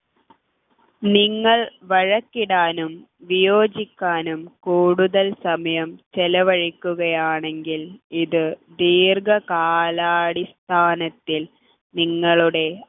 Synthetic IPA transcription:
niŋːɐɭʋɐɻɐkːiɽaːnum | ʋijoːd͡ʑikʲːaːnumkuːɽuðɐlsɐmɐjɐmt͡ɕelɐʋɐɻikʲːuɣɐjaːɳe̞ŋɡiliðɨd̪iːrɡɐkaːlaːɽist̪ʰaːnɐt̪ːil | niŋːɐɭuɽe̞

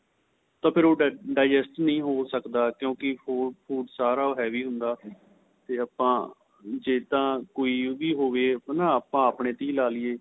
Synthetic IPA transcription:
t̪ãːpʰɪɾoːɖɖaːd͡ʒɛsʈnəĩːɦoːsəkd̪aːkjõːkɪoːpʰuːɖsaːɾaːoːɦɛːʋiːɦʊnd̪aː | t̪eːaːpãː | d͡ʒeːt̪ãːkoːiːʋiːɦoːʋeːnãːaːpãːaːpɳeːt̪ĩːlaːlɪeː

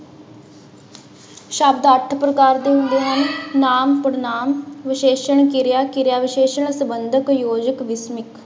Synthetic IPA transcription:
ʃabd̪əʈʰpɾəkaːɾd̪eːɦʊ̃nd̪eːɦənːaːmpəɽnaːmʋɪʃeːʃəɳkɪɾjaːkɪɾjaːʋɪʃeːʃəɳ̃səbənd̪ʱəkjoːd͡ʒəkʋɪsmɪk

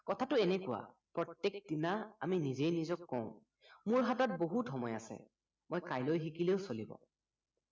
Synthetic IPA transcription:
kɔtʰatʊɛnɛkʊwa̰ | pɹɔtːek̚dinaa̰minizejnizɔkːɔʊ̃ | muɹɦatat̚boɦutxɔmɔjasɛ̰ | mojkajlojxikileʊsolibɔ̰

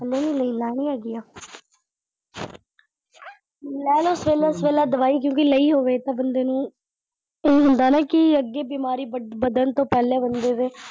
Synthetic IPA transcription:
ɛlːeːnũːləiːlaːñĩːaːɡiːaː | lɛːlʊsʋeːlaːsʋeːlaːd̪əʋaːiːk̬jõːkɪləiːɦoːʋeːt̪ãːbənd̪eːnũː | eːɦʊnd̪aːnaːkɪəɡːeːbiːmaːɾiːbəd̪ənt̪õːpɛːleːbənd̪eːd̪eː

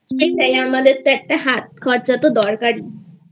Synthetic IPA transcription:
eʈajamad̪et̪ːɛʈːaɦat̪̚kʰɔɾt͡sat̪ɔd̪ɔɾkaɾi

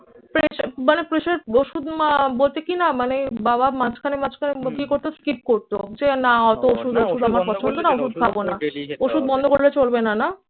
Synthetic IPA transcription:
pɾeʃmanepɾeʃaɾoʃud̪mabolt̪ekinamanebabamat͡ɕkʰanemat͡ɕʰkʰanekikoɾt̪oskip̚koɾt̪od͡ʑenaat̪ooʃud̪oʃud̪amaɾpɔt͡ɕʰond̪onaoʃud̪̚kʰabonaoʃud̪̚bɔnd̪ʱokoɽlet͡ɕolbenana

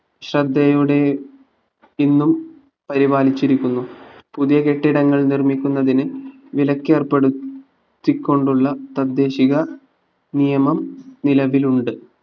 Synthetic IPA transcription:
ɕrɐd̪ːɐjuɽe̞ | inːum | pɐɾibaːlit͡ɕːiɾikʲːunːupuðijɐke̞ʈːiɽɐŋːɐɭnirmikʲːunːɐðinɨ | ʋilɐkʲːe̞ːrpeɽut | t̪ːikʲːo̞ɳɖuɭːɐt̪ɐd̪ːe̞ːɕiɣɐ | nijɐmɐmnilɐʋiluɳɖɨ

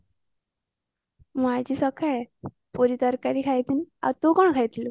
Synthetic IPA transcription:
mad͡ʑiːsəkʰaɭ | pɔɾit̪əɾkaɾiːkʰajt̪iːna̰t̪okoɳkʰajt̪lu

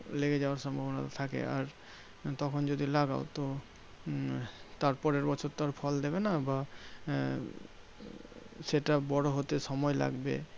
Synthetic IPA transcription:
leɡed͡ʑaoaɾʃɔmbʱabona̰t̪t̪ʰakḛa̰ɾ | t̪ɔkʰond͡ʑod̪ilaɡa̰ot̪o | t̪aɾpɔɾeɾbɔt͡ɕʰoɾt̪aɾfʰɔld̪eβenaba | ʃeʈabɔɽoɦot̪eʃɔmɔela̰ɡbḛ

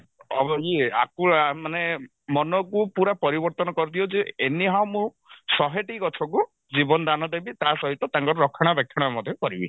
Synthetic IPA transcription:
ɔ̰bɔɡia̰kumane | mɔnɔkupuɾapɔɾibɔɾt̪ɔnɔkɔɾt̪iod͡ʒeeniɦawmũ | sɔɦeʈikɔtʰɔk̬u | d͡ʒibɔnɔd̪anɔd̪ebit̪asɔɦit̪ɔt̪aŋkɔɾɔɾɔkʰːɔɽ̃ɔbekʰːjɔɽ̃ɔmɔd̪ʱjɔkɔɾibi

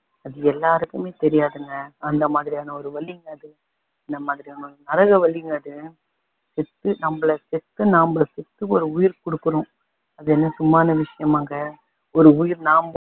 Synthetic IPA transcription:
ɐðɯɛlːaːɾɯkːɯmeːt̪ɛɾɪjaːðɯŋɡɐːnd̪ɐmaːðɪɾijaːnɐɔɾɯʋɐɭːɪŋɡɐɐðɯ | ɐnd̪ɐmaːðɪɾijaːnɐɔɾɯnɐɾɐɣɐʋɐɭːɪŋɡɐɐðɯ | sɛt̪ːɯnɐmːɐɭɐsɛt̪ːɯnaːmbɐsɛt̪ːɯɔɾɯʊjɪɾkɔɽɯkːɯɾʊ̃ | ɐðɯɛnːɐsʊmːaːnɐʋɪʂɐjɐmaːŋɡɐ | ɔɾɯʊjɪɾnaːmb

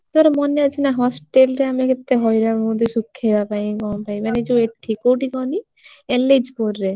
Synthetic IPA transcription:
t̪oaɾemɔneat͡ʃʰinaɦɔsʈelɾeamiekʰet̪ːeɦɔjɾaod̪ʱiʃukʰːebapajkɔnpajmaned͡ʒoeʈʰːikowʈikɔni | eled͡ʒpoɾːe

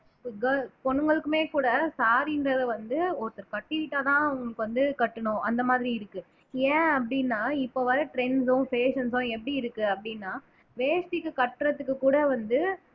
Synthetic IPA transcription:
ɡɐpɔɳːɯŋɡɐɭɯkːɯmeːkuːɽɐsaːɾɪndɾɐðɐʋɐnd̪ɯɔɾɯt̪ːɐɾkɐʈːɪʋɪʈːaːt̪ãːɐʊŋɡɐɭɯkːɯʋɐnd̪ɯkɐʈːɯɳʊ̃ʔɐnd̪ɐmaːðɪɾiɪɾɯkːɯ | ẽːɐpːɐɽɪnːaːɪpːoːʋɐɾɐʈɾɛnsʊ̃feːʂɐnsʊ̃ɛp̬ːɐɽiɪɾɯkːɯɐpːɐɽɪnːaː | ʋeːsʈ̪ɪkːɯkɐʈːɯɾɐt̪ːɯkːɯkːuːɽɐʋɐnd̪ɯ

